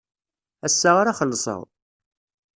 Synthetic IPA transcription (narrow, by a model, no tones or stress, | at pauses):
æsːaʁaɾaχəlːsˤə̰ðˤ